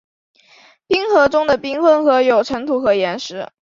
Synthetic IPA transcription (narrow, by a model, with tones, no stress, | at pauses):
pi˥ŋxɤ˧˥ʈ͡ʂʊ˥ŋd̪ə˨pi˥ŋxə˥˩nxɤ˧˥jo˨˩ʊʈ͡ʂʰə˧˥ŋt̪ʰu˧˥xɤ˧˥jɛ˧˥nʂɻ̩˧˥